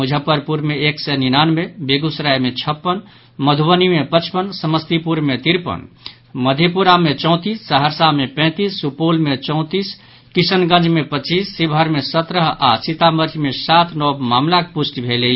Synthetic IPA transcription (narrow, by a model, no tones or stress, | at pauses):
mud͡ʒʱəpəɾpuɾmeekseninanmebeɡusɾajmet͡ʃʰəpːən | məd̪ʱubənimepət͡ʃʰpənsəməst̪ipuɾmet̪iɾpə̰n | məd̪ʱepuɾamet͡ʃɔ̃ʊ̃t̪isːəɦəɾsamepɛ̃t̪isːupolmet͡ʃɔ̃ʊ̃t̪is | kisənɡə̃nd͡ʒʱmepət͡ʃisːibʱəɾmesət̪ɾəɦa̰sit̪aməɾd͡ʒmesat̪ʰnɔbmamlakepusʈbʱele